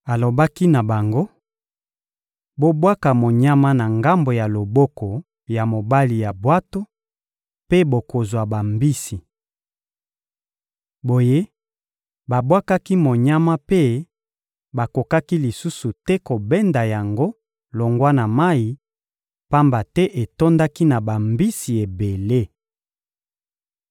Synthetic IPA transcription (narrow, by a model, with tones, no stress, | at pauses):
a˨lo˨ba˦ki˦na˨ba˨ŋɡo˦ | bo˦bwa˦ka˨mo˨ɲa˦ma˦na˨ŋɡa˦mbo˨ja˨lo˨bɔ˦ko˨ | ja˨mo˨ba˦li˨ja˨bwa˦to˦ | pe˦bo˨ko˨zwa˨ba˨mbi˦si˨ | bo˨je˦ | ba˨bwa˦ka˦ki˦mo˨ɲa˦ma˦pe˦ | ba˨ko˨ka˦ki˦li˨su˦su˨tɛ˦ko˨bɛ˦nda˨ja˨ŋɡo˦ | lo˨ŋɡwa˦na˨ma˦i˨ | pa˦mba˨tɛ˦ʔe˨to˦nda˦ki˦na˨ba˨mbi˦si˨e˨be˨le˦